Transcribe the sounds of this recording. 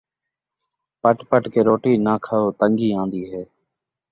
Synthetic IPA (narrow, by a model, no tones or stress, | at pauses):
pəʈpəʈkeːɾoːʈiːnaːkʰəoːt̪əŋɡiːãːnd̪iːɦɛː